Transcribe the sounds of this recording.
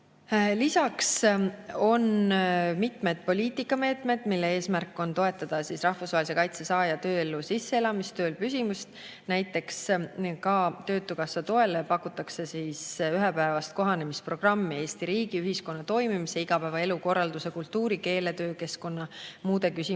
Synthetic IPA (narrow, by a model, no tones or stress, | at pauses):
lisɑks | o̞nmit̪me̞d̪̥̚po̞lʲiːt̪ˑikːˑɑme̞ːt̪ˑme̞d̪̥milːe̞e̞ːsmærkːˑo̞nt̪o̞e̞t̪ːˑɑd̪̥ɑsisrɑhfusvɑɦelʲis̬e̞kɑjt̪se̞sɑːjɑt̪ø̞ːelːusisːeelɑmist̪ø̞ːlpysʲimust̪̚ | næjt̪ːˑe̞kskɑt̪ø̞ːt̪ːukɑsɑt̪o̞e̞lepɑkːut̪ːˑɑkse̞siːsyɦɛpæevɑst̪̚ko̞ɦɑne̞mispro̞ɡ̥rɑmːie̞ːsʲt̪iɾiːɡ̥iyɦisko̞nːɑt̪o̞jmimiseiɡ̥ɑpæevɑe̞luko̞rːɑld̪use̞kult̪ːuːɾike̞ːle̞t̪øːke̞sko̞nːɑmuːd̪e̞kysʲi